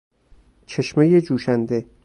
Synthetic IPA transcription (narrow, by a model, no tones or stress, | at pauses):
t͡ʃʰe̞ʃmejed͡ʒuːʃænd̪e̞